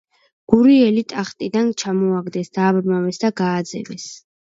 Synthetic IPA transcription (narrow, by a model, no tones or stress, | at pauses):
ɡ̥uɾiɛlit̪ʼaχt̪ʼid̪ant͡ʃʰamɔaɡd̪ɛsd̪aːbɾmavɛsd̪aɡaːd̪zɛ̰vɛs